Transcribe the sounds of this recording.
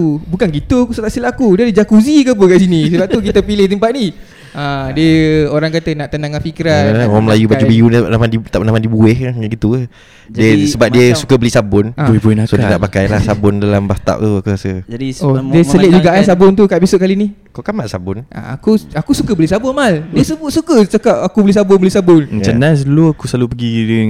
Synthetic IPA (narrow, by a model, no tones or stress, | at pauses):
ubukanɡit̪ukusat̪aʔsilaakudiadid͡ʒakuzikaəp̬əkaʔs̬inĩsəbap̚t̪ukit̪əpilɪht̪̬əmpaʔ̪̚ni | ãdiəoɾaŋkat̪ənaʔt̪ənaŋanfikɾanwaŋməlajubad͡ʒubijuniəbaʔ̚namadit̪aʔpnamãdibuɪhaɡit̪u | diəsəbap̚diəsukəbəlisabʊnabunasoiəna̰ʔpakajlahsabʊndalambast̪a̰ʔ̚t̪uakuɾasəd͡ʒadiodiəəlɪʔ̚d͡ʒuɡaʔansabʊnt̪ukaʔpisʊʔ̚kalini | kokamaʔsabʊnʔa̰a̰kuakusukəbəlisabʊnmaldiəsəbʊtsukət͡ʃakap̚akubəlis̬abʊnbəlisabʊnət͡ʃənasloakuslalupəɡidə